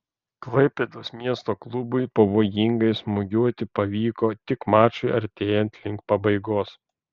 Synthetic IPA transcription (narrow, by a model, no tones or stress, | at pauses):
klˠɐɪpʲeːd̪oːsmʲiɛst̪oːklˠʊbʊɪpɐʋoːjɪŋɡɐɪsmʊɡʲuɔt̪ʲɪpɐʋʲiːkoːt̪ʲɪkmɑːt͡ʃʲʊɪɐɾʲt̪ʲeːjɛnʲt̪ʲlʲɪŋkpɐbɐɪɡoːs